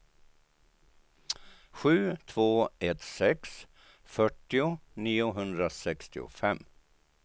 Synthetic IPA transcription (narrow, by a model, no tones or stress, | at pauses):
ɧʉ̟ːt̪ʰvoːɛt̪sɛks | fœʈːɪʊniːʊɦɵnd̪ɾasɛkst̪ɪʊ̰fɛmː